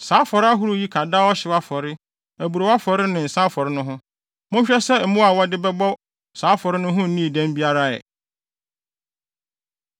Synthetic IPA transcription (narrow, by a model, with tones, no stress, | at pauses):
saː˨˦fɔ˨ɾɪ˦a˦ɦu˦ɾu˦ji˦kʰa˨daː˦ɔ˦ɕɪ˨wa˦fɔ˨ɾɪ˦ | æ˨bu˨ɾo˨wa˦fɔ˨ɾɪ˦nɪ̃˨n̩˨saː˦fɔ˨ɾɪ˦nʊ̃˦ɦʊ̃˦ | mʊ̃˦ɲ˦ɕᶣɛ˦sɛ˦m̩˦mũ˦a˨wɔ˦dɪ˦bɛ˦bɔ˦ | saː˨˦fɔ˨ɾɪ˦nʊ̃˦ɦʊ̃˦n̩˦nĩ˦˨dæ̃˦m˦bi˦a˦ɾa˦ɛ̰˨